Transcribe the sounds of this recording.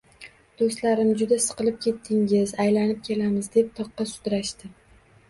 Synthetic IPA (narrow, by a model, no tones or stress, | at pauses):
d̪̥ost̪laɾɪmd͡ʒʊd̪asɨ̥qɨlɪp̚kʲʰe̞t̪ʰːɪŋɪzajlanɪp̚kʲʰe̞lamɪzd̪e̞p̚t̪ʰɒqːɑsʊ̥d̪ɾaʃt̪ɪ